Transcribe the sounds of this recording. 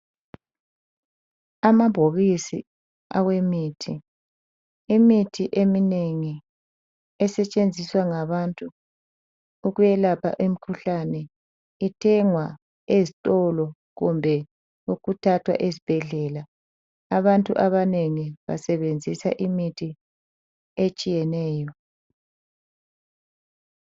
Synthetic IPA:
amabʱoβisḭ | aɣwemiːtʰi | imitʰiʔemineŋi | ɛsɛt͡ʃʼend͡zʱiswaŋaβantʼu | ɣujɛlapʰa̰ʔem̩kʰuɬanɛ | itʰɛŋwa | ezitʼɔlɔ | ɣumbʱɛ | uɣutʰatʰwa̰ʔezib̥ʱɛɮɛlaː | βantʼuʔaβaneŋiβa̰sɛβend͡zʱisa̰ʔimitʰi | et͡ʃʼijɛnɛːjɔ

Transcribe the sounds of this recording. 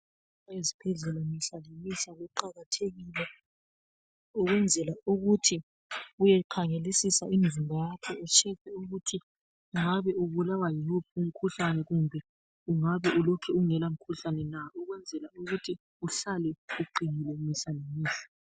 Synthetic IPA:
ezipʰɛɮɛlamiɬalemisaɣuǃaɣatʰeɣilɛ | ɔɣwɛnd͡zʱɛlauɣutʰi | ujɛǃʰaŋelisisaimzimbʱajakʰɛɛt͡ʃʰɛpʰɛuɣutʰi | uŋaβɛuβulawajihup̚ʰum̩kʰuɬanɛɣumbʱɛ | uŋaβɛulɔkʰɛuŋɛlam̩kʰuɬanɛnaɔɣwɛnd͡zʱɛlauɣutʰi | uɬalɛuɡ͡ǃʱinilɛmiɬalemiːsḁ

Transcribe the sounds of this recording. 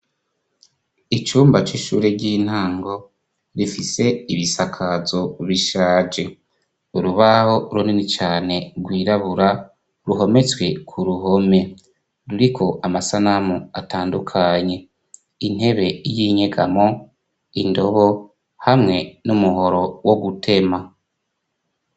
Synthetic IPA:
it͡ʃuːmbat͡ʃiʃṵːɾeɟiːn̥haːŋɡo̞ | ɾifise̞iβisakʰazo̞βiʃaːd͡ʒe̞ | uɾuβaho̞ɾuninit͡ʃaːne̞ɾɡwiːɾaβuɾa | ɾuɦo̞me̞t͡swe̞kʰuɾuɦo̞me̞ | ɾuɾikʰo̞ʔamasanamuataːndukʰaɲe̞ | in̥e̞βe̞ijiːɲe̞ɡamo̞ | indo̞βo | hamŋe̞numuɦo̞ɾo̞wo̞ɡutʰe̞ma

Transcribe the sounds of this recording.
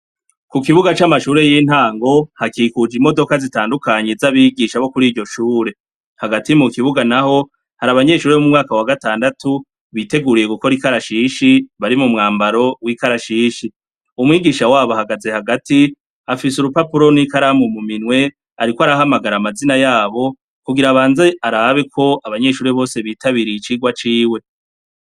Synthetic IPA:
kukiβuɡat͡ʃamaʃuːɾe̞jiːn̥haːŋɡo̞hakikud͡ʒimo̞do̞kazitaːndukaɲe̞zaβiɡiʃaβo̞kuɾiːɾɟo̞ʃuːɾe̞ | haɡatimukiβuɡanaho̞ | haɾaβaɲe̞ʃuːɾeomumŋaːkawaɡataːndatu | βite̞ɡuɾije̞ɡuko̞ɾikaɾaʃiːʃiβaɾimumŋaːmbaɾo̞wikaɾaʃiːʃi | umŋiːɡiːʃawaːβohaɡaze̞haɡati | afisuɾupapuɾo̞nikaɾamumuminwe̞ | aɾikoaɾaɦamaɡaɾamazinajaːβo̞ | kuɡiɾaβaːnzeaɾaβe̞kʰo̞aβaɲe̞ʃuːɾe̞βo̞ːse̞βiːtʰaβiɾiit͡ʃiɡwat͡ʃiːwe̞

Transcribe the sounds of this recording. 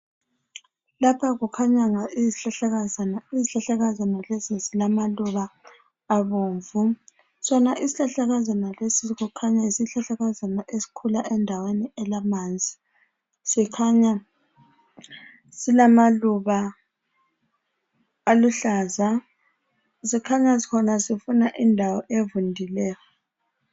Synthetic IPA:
lapʰaɣukʰaɲaŋaiziɬaaɣiziɬaɬaɣazanalesisilamaluβaː | βoːɱvu | sɔnaʔisiɬaɬaɣazanalesiɣukʰaɲaisiɬaɬaɣazanaʔesi̥kʰulaʔɛndʱaweniɛlamaːnd͡zʱi | sikʰaɲa | silamaluβa | luɬaːza | sikʰaɲasi̥kʰɔnasifunaʔindʱawɔʔevundʱilɛːjɔ

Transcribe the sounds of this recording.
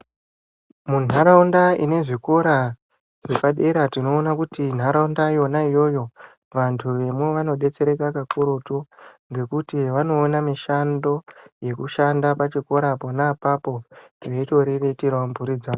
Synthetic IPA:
mun̤aɾaundaḭne̞ʐiko̞ɾa | ʐe̞paɗe̞ɾatino̞ːnakutin̤ʱaɾaundaijo̞naijo̞jo̞ | ʋantʰuʋe̞mwe̞ʋano̞ɗe̞t͡se̞ɾe̞kakakuɾutuŋɡe̞kutiʋano̞ːnamiʃando̞je̞kuʃandapat͡ʃiko̞ɾapo̞napapo̞eito̞ɾere̞tiɾaumbuɾid͡za

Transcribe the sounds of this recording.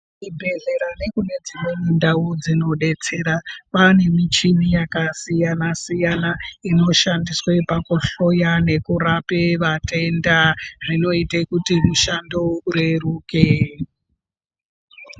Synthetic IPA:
ibʱe̞ɮe̞ɾane̞kune̞d͡zimwenindaud͡zino̞ɗe̞t͡se̞ɾapane̞mit͡ʃinijakasijanasijanaino̞ʃandiswe̞pakuɬo̞jane̞kurapeʋate̞ndarino̞itekutiruʃando̞uɾeruːke

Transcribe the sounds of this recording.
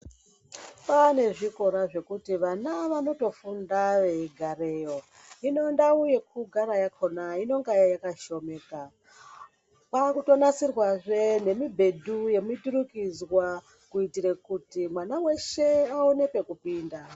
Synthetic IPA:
pane̞ʐiko̞ɾaʐe̞kutiʋanaʋano̞to̞fundaʋe̞ɡʱare̞jo̞ | ino̞ndauje̞k̚uɡʱaɾajakʰo̞naino̞ŋɡajajakaʃo̞me̞ːka | pakuto̞nasirwaʐe̞ne̞mibʱe̞duje̞miduɾukid͡zwa | kuitiɾekutimwanawe̞ʃe̞aone̞pe̞kupiːnda

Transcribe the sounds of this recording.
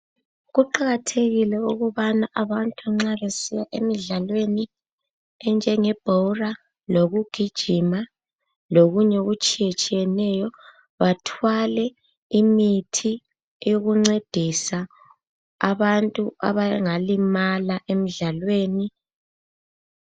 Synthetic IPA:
ɣuǃaɣatʰeɣilɛuɣuβanaʔaβantʼaŋ͡ǁaβesijaʔemiɮalweni | ɛnd͡ʒʱɛŋɛb̥ʱora | loɣuɡ̥ʱid̥ʒ̥ʱima | loɣuɲɛɣut͡ʃʼijɛt͡ʃʼijɛnɛjɔ | βatʰwalɛ | imitʰi | ɛjoɣuŋ͡ǀed̥ʱisa | a̰βantʼua̰βaŋalimalaʔem̩ɮalweːni

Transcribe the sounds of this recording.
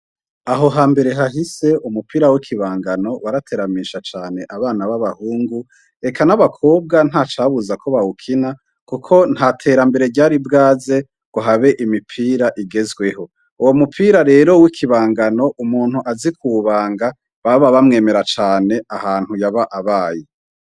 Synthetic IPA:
aɦo̞ɦaːmbe̞ɾe̞ɦaɦise̞ʔumupʰiːɾawikʰiβaːŋɡano̞waɾatʰe̞ːɾamiʃat͡ʃaːne̞ʔaβaːnaβaβahuːŋɡu | e̞kʰanaβakʰo̞ːbɡan̥haːt͡ʃaβuzakʰo̞βawukʰina | kukʰo̞n̥hatʰe̞ːɾambe̞ɾe̞ɟaːɾibɡaːze̞ | ɡ̥uɦaβe̞ʔimipʰiːɾaʔiɡe̞zɡwe̞ɦo̞ | uwo̞mupʰiɾaɾe̞ːɾo̞wikʰiβaːŋɡano̞ʔumuːn̥huʔazikʰuβaːŋɡa | βaβaβamŋe̞ːme̞ɾat͡ʃaːne̞ʔahaːn̥hujaβaʔaβaːje

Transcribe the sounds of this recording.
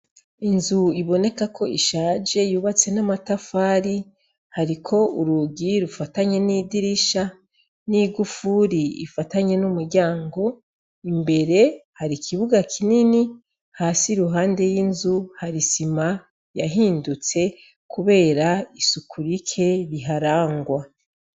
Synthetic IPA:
inzuiβo̞ne̞kakʰo̞iʃaːd͡ʒe̞juːβat͡se̞namatafaːɾi | haɾikʰo̞uɾuɡiɾufataɲe̞nidiɾiʃa | niɡufuɾḭːfataɲe̞numuɾɟaːŋɡo̞ | imbe̞ɾe̞haɾikʰiβuɡakʰinini | haːsiɾuɦaːnde̞jiːnzuhaɾisima | jaɦiːndut͡se̞ | kʰuβe̞ːɾaisukʰuɾikʰe̞ɾiɦaɾaːŋɡwa

